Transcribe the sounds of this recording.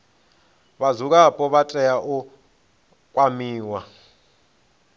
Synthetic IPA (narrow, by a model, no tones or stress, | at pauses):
βazuk̬ʼapʼɔβatʼɛjaʔu | kʼwamiːwa